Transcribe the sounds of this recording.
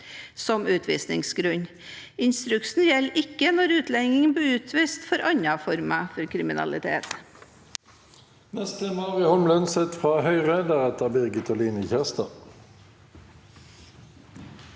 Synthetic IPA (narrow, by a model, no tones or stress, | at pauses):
sɔmʉːt̪ʰʋḭːsnɪ̰ŋsɡɾʉɲ | ɪnst̪ɾʉksn̩jɛlːɪkːənɔɾʉːt̪lɛŋɪŋənbiːʉːt̪ʰʋiːst̪fɔɾʔɑɲɑfɔɾmɑfɔɾkʰɾɪmɪnɑ̰lɪt̪ʰḛːt̪ | nɛst̪ɛmɑʁɪhɔmlənsɛt̪fʁɑːhœʏʁəd̪əʁɛt̪əbɪʁɡət̪ʰɔliːnəçæʁst̪ɑ̰